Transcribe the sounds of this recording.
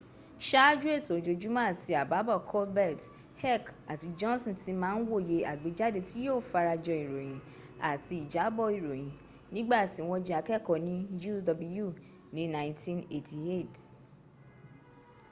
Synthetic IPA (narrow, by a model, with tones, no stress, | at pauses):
ʃa˦d͡ʒu˦e˦˨to˨d͡ʒo˧d͡ʒu˦mã˦˨ti˧a˨ba˨˦bɔ˦˨kʰɔ˦lbɛ˦˨t | hɛ˦˨ka˨ti˧d͡ʒɔ̃˦n˦sɔ̃˦˨ti˨˦mãː˦˧n̩˦wo˦˨je˧˦ʔa˨ɡ͡be˨˦d͡ʒa˦de˧ti˦jo˦˨fa˧ɾa˧d͡ʒɔ˧i˨ɾo˨j̃ĩ˨˦ | a˨ti˧˦i˨d͡ʒa˨˦bɔ˦˨i˨ɾo˨j̃ĩ˨ | nĩ˦ɡ͡ba˦˨ti˨˦w̃ɔ̃˧d͡ʒɛ˧a˧kɛ˦˨kɔ˨nĩ˦d͡ʒu˦dɔ˧blu˦ju˦˨ | nĩ˨˦nã˦j̃ntĩ˦ne˨tʰi˧e˦˨t